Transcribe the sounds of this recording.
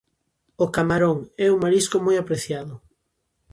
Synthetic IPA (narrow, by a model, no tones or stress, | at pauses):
ʊkamaɾoŋɛuŋmaɾiskʊmojapɾeθjaðʊ